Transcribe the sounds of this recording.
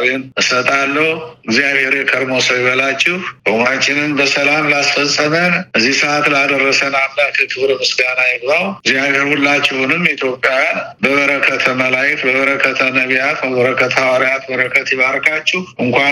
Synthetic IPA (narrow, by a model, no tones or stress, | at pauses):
nɨsət̪ʼalːəhɨɡzijaβhe̞ɾjɛkʰəɾmosəwjɛβəlat͡ʃːɪhkomat͡ʃʼːɪnɨmbəsəlamlasfəsʼəmənʔɨzːihsəʔat̪lad̪ərːəsənamːak̪ʰɨt̪ʰɨβɾmɨsɡanajɛbzawɡzijaβheɾhulːat͡ʃːɪhunɨmit̪ʰjo̞pʼːjabəβəɾəkʰət̪ʰəməlajɛt̪bəβəɾəkʰːət̪ʰənəβjat̪bəβəɾəkːət̪ʰawaɾiat̪bəɾəkʰːət̪jɪβaɾkʰat͡ʃːɪhʔɨŋkʷa